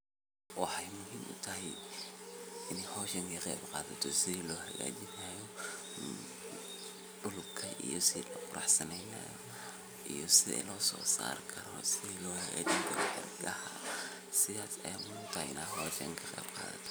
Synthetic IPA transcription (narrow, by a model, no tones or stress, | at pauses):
wɑħɑjmʊɦiːmʔʊt̪ʰɐɦɛj | ɪnhɔːʃɛŋkʰɐqebqɑːðɐt̪ʰɔsɪðiːlɔːhɐɣa̰ːd͡ʒɪnajɔ | ɗʊlbkʰɐʔijɔsɪðilɐqʊɾɑ̰ħsɐnɛjna̰jɔ | ʔijɔsɪðɛ̰lɔːsɔ̰ːsa̰ːɾkʰɐɾɔsɪðiːlɔːhɐɣa̰ːt͡ʃɪnk̪ʰɐkʊħɪ̰rɡɐhaː | sɪðaːsɐjamʊimːmʊt̪ʰɐhɛɪnaːɦɔːʃɛ̰ŋkʰɐqɛːb̥qɑ̰ːðɐ̰t̪ʰɔ̥